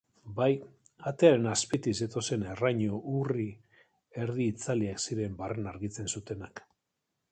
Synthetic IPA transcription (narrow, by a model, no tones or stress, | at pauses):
baj | at̪e̞aɾe̞naspit̪iset̪o̞se̞ne̞raɲoʔuri | e̞ɾðiːt͡saliaksiɾe̞mbarenaɾɣit͡se̞nsut̪e̞nak